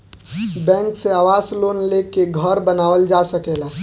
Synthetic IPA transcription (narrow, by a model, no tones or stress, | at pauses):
bɛ̃ːŋkseaːʋaːsloːnlekeɡʱəɾbənaːʋəld͡ʒaːsəkeːlaː